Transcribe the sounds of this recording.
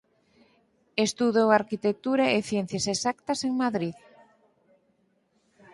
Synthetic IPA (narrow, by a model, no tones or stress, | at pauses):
est̪uðowaɾkit̪ek̚t̪uɾaeθjɛn̟θjasesakt̪ɐseŋmaðɾið